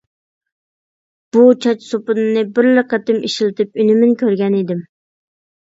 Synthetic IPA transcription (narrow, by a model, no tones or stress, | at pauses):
b̥ut͡ʃʰɑt͡ʃsopʊnɨnɨbɪɾləqət̪ɪmiʃilˠt̪ɪp̚ynɪmɪnkʲʰøɾɡʲɛnid̪ɪm